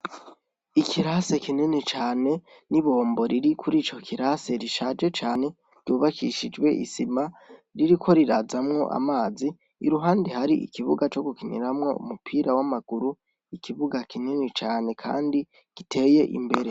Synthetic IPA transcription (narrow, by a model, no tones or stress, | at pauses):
ikʰiɾase̞kinenet͡ʃaːne̞ | niβo̞ːmbo̞ɾiɾikʰuɾiːt͡ʃo̞kʰiɾase̞ɾiʃad͡ʒe̞t͡ʃaːne̞ | ɾ̥ɟ̥uːβakʰiʃid͡ʒɡwe̞ʔḭsimaɾiɾikʰo̞ɾiɾazamŋo̞̰ʔa̰maːziː | ɾuɦaːndehaɾiḭkiβuɡat͡ʃo̞ɡukiɲḭɾamŋo̞̰ṵmupʰiːɾawamaɡ̥uɾu | ikiβuɡakinenet͡ʃaːne̞kʰa̰ːndi | ɡ̥itʰe̞je̞ʔḭmbe̞ɾe